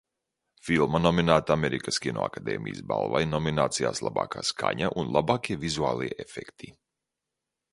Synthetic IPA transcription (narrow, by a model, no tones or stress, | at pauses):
filˠmanɔminaːt̪aameɾikaskʲino̰a̰kad̪ɛ̰ːmʲʔḭjə̰sba̰lˠvajnɔminaːt̪sija̰ːslˠa̰ba̰ːkaːskʰa̰ɲaʔunlˠabaːkʲiɛvizua̰ːlˠijɛʔefekt̪ʰi